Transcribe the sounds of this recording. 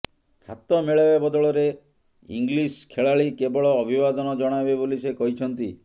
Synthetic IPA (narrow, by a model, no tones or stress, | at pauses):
hat̪ɔmeɭabebɔd̪ɔɭɔɾe | ḭŋɡliskʰeɭaɭikebɔɭɔːbʱibad̪ɔnɔd͡ʒɔɽ̃ajbebolisekɔɦit͡ʃʰɔnt̪i